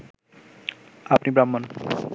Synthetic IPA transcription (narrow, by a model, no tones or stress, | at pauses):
apnibɾamːon